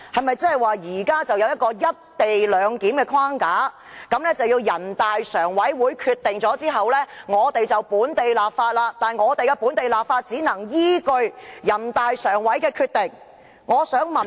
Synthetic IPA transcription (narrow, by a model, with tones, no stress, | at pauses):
hɐ˨jmɐ˨jt͡sɐ˥ɦɐ˨˩jwaː˨jiː˨˩kaː˥t͡sɐ˨wjɐ˧wjɐ˥t̚kɔː˧jɐ˥t̚t̪e˨jlœː˨˧ŋkiː˨˥mkɛː˧kʰwaː˥ŋkaː˨˥ | kɐ˨˥mnlɛː˥t͡sɐ˨wjiː˧wjɐ˨˩nt̪aː˨jsœː˨˩ŋwɐ˨˥jwuː˨˧jkʰyː˧t̚t̪ːɪ˨ŋt͡sɔː˨˥t͡siː˥ɦɐ˨wlɛː˥ŋɔː˨˧t̪e˨jt͡sɐ˨wpuː˨˥nt̪e˨jlaː˨p̚faː˧t̚laː˧t̪aː˨˩nŋɔː˨˧t̪e˨jkɛː˧puː˨˥nt̪e˨jlaː˨p̚faː˧t̚t͡siː˨˥nɐ˨˩ŋjiː˥kɵ˧ɥjɐ˨˩nt̪aː˨jsœː˨˩ŋwɐ˨˥jkɛː˧kʰyː˧t̚t̪ɪ˨˩ŋ | ŋɔː˨˧sœː˨˥ŋmɐ˨